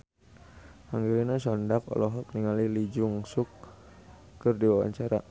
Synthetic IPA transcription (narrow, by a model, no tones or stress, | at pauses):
haŋɡiɾinasɔndakɔ̰lɔɦɔk̚niŋalilid͡ʒuŋsʊk̚ː | ərdiwawa̰ɲt͡ʃaɾa